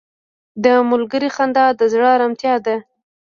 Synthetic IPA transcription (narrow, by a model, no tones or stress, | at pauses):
d̪əmʊlɡəɾixand̪ɑd̪əzɽəɾamt̪jɑd̪a